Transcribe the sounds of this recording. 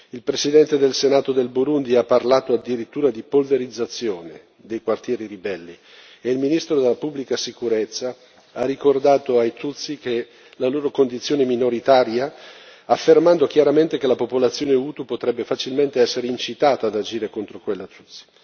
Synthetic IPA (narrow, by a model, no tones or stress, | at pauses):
ilpɾesid̪ɛnt̪ed̪elsenaːt̪od̪elbuɾund̪iapːarlaːt̪oad̪ːiɾit̪ːuːɾad̪ipolveɾid̪zːat̪sːjoːne | d̪ejkwart̪jɛːɾiɾibɛlːi | eilminist̪ɾod̪elapubːlikasikuɾet̪sːa | arːikord̪aːt̪oajt̪ut̪sːike | laloːɾokond̪it̪sːjoːneminoɾit̪aːɾjaː | fːermand̪okjaɾament̪ekelapopolat̪sːjoːneut̪upot̪ɾɛbːefat͡ʃilment̪eɛsːeɾeint͡ʃit̪aːt̪aːd̪ad͡ʒiːɾekont̪ɾokwelːat̪ut̪sːi̥